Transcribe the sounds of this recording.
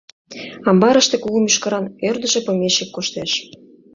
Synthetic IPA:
ɑmbɑɾə̆ʃt̪ĕkuɣəmyʃkəɾɑnørd̪ə̆ʒĕpɤ̆mʲeʃekkːoʃt̪eʃ

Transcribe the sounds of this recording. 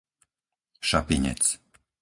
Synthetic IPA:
ʃapiɲɛ̰t̪s

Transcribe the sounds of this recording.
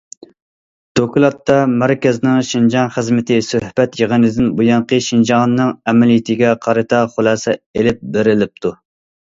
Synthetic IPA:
d̪̥okʲulˠɑt̪ːɑmæɾkʲɛznɨŋʃind͡ʒɑŋχəzmɪt̪ʰɪsøhbɛt̪jəʁənɪd̪ɪnbujɑɴqəʃind͡ʒɑŋnːɨŋɛmɪlijɪt̪ʰɪɡʲɛqʰɑɾɨt̪ʰɑχʊlˠɑːsɛelɪp̚beɾɪlɪp̚t̪ʰu

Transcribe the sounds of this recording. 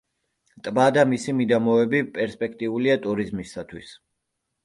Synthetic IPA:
t̪ʼbad̪amisimid̪amɔɛbipʼɛɾspʼɛkʰt̪ʼiuliat̪ʼuɾizmisat̪ʰwis

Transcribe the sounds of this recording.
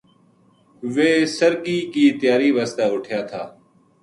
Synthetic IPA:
ʋeːsəɾkiːkiːt̪jaːɾiːʋaːst̪aːʊʈʰjaːt̪ʰaː

